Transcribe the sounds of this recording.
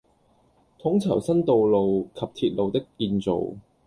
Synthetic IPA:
t̪ʰʊ˨˥ŋt͡sʰɐ˨˩wsɐ˥nt̪o˨˧wlo˨wkʰɐ˨p̚t̪ʰiː˧t̚lo˨wt̪ɪ˥kːiː˧nt͡so̰˨w

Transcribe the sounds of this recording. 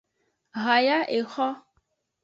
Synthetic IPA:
ɣa˨ja˦ʔe˨xɔ˦

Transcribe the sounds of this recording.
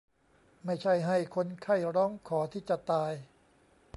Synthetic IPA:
ma˥˩jt͡ɕʰa˥˩jɦa˥˩jkʰo˧nkʰa˥˩jɾɔː˦˥ŋkʰɔː˩˦t̪ʰiː˥˩t͡ɕa˨˩t̪aː˧j

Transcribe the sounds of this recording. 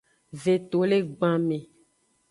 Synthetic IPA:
ve˨t̪o˨le˦ɡ͡bã˨mẽ˨

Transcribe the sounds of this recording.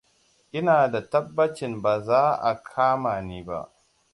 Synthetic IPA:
ʔɪ˦naː˨da˨tɐ˦bːɐ˦t͡ʃɪ˨mbaː˨zaː˦ʔa̰˨kʰaː˦maː˨niː˦ba̰˦ʔ

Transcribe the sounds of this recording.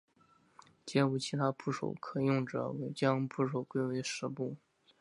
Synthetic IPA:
t͡ɕjɛ˥u˨˩t͡ɕʰi˧˥t̪ʰa˥pʰu˥˩ʂo̰˨˩ʊkʰɤ˨˩jʊ˥˩ŋʈ͡ʂɤ̰˨˩˦we˧˥ɪt͡ɕjɑ˥ŋpʰu˥˩ʂ̬o˨˩ʊkwe˥˧ɪwe˧˥ɪʂɻ̩˧˥pu˥˩

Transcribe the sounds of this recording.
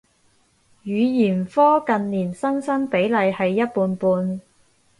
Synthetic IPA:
jyː˨˧jiː˨˩nfɔː˥kɐ˨nliː˨˩nsɐ˥nsɐ˥ŋpe˨˥jlɐ˨˧jhɐ˨jːɐ˥t̚puː˧npuː˧n

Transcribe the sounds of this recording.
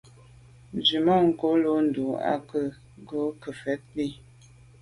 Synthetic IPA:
n˨d͡ʒi˨mɔ˦ŋ̩˦˨ko˨˦lo˨˦n̩˨du˨a̰˦kə˦˨ | ɡo˦kə˨fɛ˨˦t̚li˦

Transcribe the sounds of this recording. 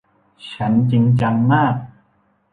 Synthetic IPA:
t͡ɕʰa˦˥nt͡ɕi˧ŋt͡ɕa˧ŋmaː˥˩k̚

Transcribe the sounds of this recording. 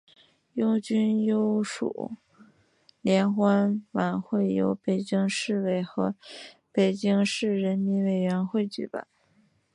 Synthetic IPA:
jʊ˥ʊt͡ɕy˥njo˥ʊʂṵ˨˩ | ljɛ˧˥nxwa˥nwa˧˩nxwe˥˩ɪjo̰˧˥ʊpe˨˩ɪt͡ɕi˥ŋʂɻ̩˥˧we˧˩ɪxɤ˧˥pe˨˩ɪt͡ɕi˥ŋʂɻ̩˥˩ɻə˧˥nmi˧˥nwe˨˩ɪɥɛ˧˥nxwe˥˩ɪt͡ɕy̰˨˧˩pa̰˨˩˦

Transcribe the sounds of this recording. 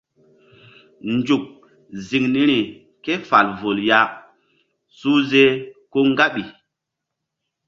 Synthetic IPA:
nd͡ʒu˨k̚ | zi˨ŋni˦ɾi˨ | ke˦fa˨lvo˨lja˦ | su˦ze˦ko˦ŋɡa˦ɓi˨

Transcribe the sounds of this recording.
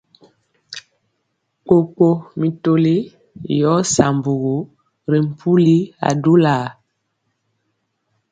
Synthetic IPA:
k͡po˨k͡po˨mi˨to˨li˦ | jɔ˨˦sa˨mbu˨ɣo˨˦ | ɾi˨m̩˨pʰu˦li˦a̰˨du˦laː˨

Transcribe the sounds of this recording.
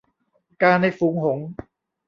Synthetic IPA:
kaː˧na˧˩fuː˨˩˦ŋɦo˨˩˦ŋ

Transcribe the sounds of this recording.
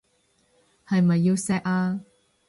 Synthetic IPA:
hɐ˨jmɐ˨jːi˧wsɛː˧˥k̚aː˧

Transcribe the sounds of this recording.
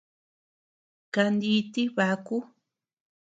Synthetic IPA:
ka˧nd̪i˧t̪i˦βa˧ku˦

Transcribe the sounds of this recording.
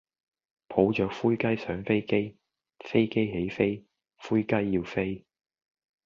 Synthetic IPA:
pʰo˨˥wt͡ʃœː˨˥k̚fuː˥jkɐ˥jsœː˨˥ŋfe˥jke˥j | fe˥jke˥jɦe˨˥jfe˥j | fuː˥jkɐ˥jːiː˧wfe˥j

